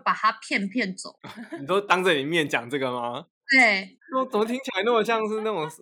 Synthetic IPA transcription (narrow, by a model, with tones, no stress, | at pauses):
pa˨˩t̪ʰa˦pʰjɛ˥˧npʰjɛ˥˨nt͡so̰˨˩˦ʊ˩ni˨˩t̪o˥ʊt̪ɑ˥ŋt͡sa˥˩ni˨˩˦mjɛ˥˨nt͡ɕjɑ̰˨˩ŋt͡sɤ˥˩ɡə˩ma˨˦ | t̪we˥˩ɪto˥˩t͡so˨˦ʊt̪ʰi˦˥ŋt͡ɕʰi˨la˧ɪna˥˩o˨˩ɕjɑ˥˧ŋʂ̬ɻ̩˥˧na˥˩t͡so˨˩ŋ